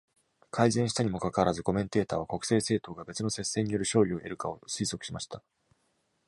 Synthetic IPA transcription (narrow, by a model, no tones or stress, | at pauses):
kʰaizẽɰ̃ɕit̪aɲ̟imo̞kakaβaɾazɨko̞mẽ̞nt̪e̞ːt̪a̰ːβako̞kɯ̥se̞ːse̞ːt̪o̞ːɡabe̞t͡sɨno̞se̞sːe̞ːɲ̟ijo̞ɾɯ̟ɕo̞ːɾʲioʔe̞ɾɯ̟kaosɨiːso̞kɯ̟ɕimaɕi̥t̪a